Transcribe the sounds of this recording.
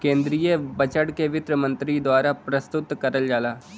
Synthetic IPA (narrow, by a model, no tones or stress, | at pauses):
kẽːnd̪ɾijəbət͡ʃəɽkeʋɪt̪ɾəmə̃nt̪ɾid̪waːɾapɾəst̪ʊt̪kɐɾəld͡ʒaːlaː